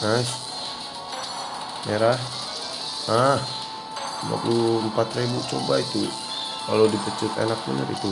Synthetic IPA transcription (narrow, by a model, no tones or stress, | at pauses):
nas | meɾah | ah | ma̰kuəmpat̪rebut͡ʃobait̪u | kalodipət͡ʃʊt̪ḛnak̚bənə̰rḭt̪u